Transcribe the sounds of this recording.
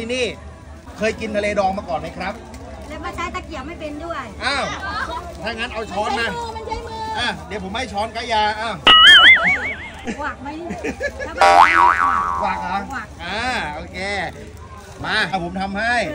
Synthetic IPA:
t̪ʰiː˧niː˥˩ | kʰɤː˧jki˧nt̪ʰa˧leː˧dɔː˧ŋmaː˧kɔː˨˩nma˦˥˩kʰɾa˦˥p̚ | lɛ˦˥wka˧˩t͡ɕʰa˦˥jt̪aː˧˩ki˨˩əwma˥˩jpe˧ndu˥˩əjʔaː˧˩wt̪ʰaː˥˩ŋaː˦˥nʔa˧wt͡ɕʰɔː˦˥nmaː˧˩˧ʔaː˧˩d̪i˨˦wpʰo˩˦mha˥˩jt͡ɕʰɔː˦˥nka˦˥jaː˧ʔaː˧˩w | waː˨˩k̚ma˦˥˧ | kʰwaː˨˩k̚a˨˧˩a˨˩ʔaː˧˩ʔoː˧kʰeː˧ | maː˧˩a˧˩wpʰo˩˦mt̪ʰa˧mha˥˩j

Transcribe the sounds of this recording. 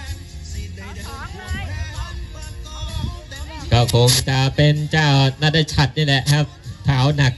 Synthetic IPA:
kɔː˥˩kʰo˧ŋt͡ɕa˨˩pe˧nt͡ɕaː˥˩wnaː˥˩daː˥˩t͡ɕʰa˨˩t̪̚niː˥˩lɛ˨˩ʔkʰa˦˥˩p̚t̪ʰaː˩˦wna˨˩k̚

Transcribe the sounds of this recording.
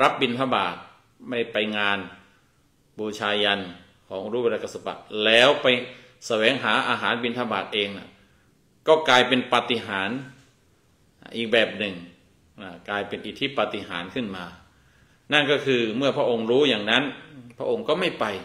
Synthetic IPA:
ɾa˦˥p̚bi˧npʰa˧˩baː˨˩t̪̚ | ma˥˩jpa˧jŋaː˧n | buː˧˩t͡ɕʰaː˧ja˧n | kʰɔː˩˦ŋɾuː˥˩˧a˧ka˧˩sa˧pa̰˨˩ʔlɛː˦˥wpa˧j | sa˧wɛː˨˩˦ŋɦaː˩˦ʔaː˧ɦaː˨˩˦nbi˧npʰa˧baː˨˩t̪̚ʔeː˧ŋna˧˩ | kɔː˥˩klaː˧jpe˧npa˨˩t̪i˧ɦaː˩˦n˨ | ʔiː˨˩k̚bɛː˨˩p̚nɯ˨˩ŋ | na˧˩klaː˧jpe˧nʔiː˨˧t̪ʰi˦˥˩pa˨˧˩t̪i˧˩ɦaː˩˦nkʰɯ˥˩nmaː˧ | na˥˩nkɔː˥˩kʰɯː˧mɯ˥˩ɐpʰɾa˧˥ʔo˧ŋɾuː˦˥jaː˨˩ŋna˦˥npʰɾa˧˥ʔo˧ŋkɔː˥˩ma˥˩jpa˧j

